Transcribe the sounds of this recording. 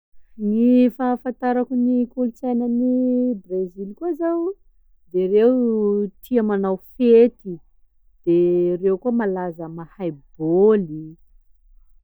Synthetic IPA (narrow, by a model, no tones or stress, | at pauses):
nifafant̪aɾakunikulut͡sajnənibrezilkuazaw | d̪erewt̪ʰiamanawfet̪i | d̪̥erewkuəmalazəmahajboli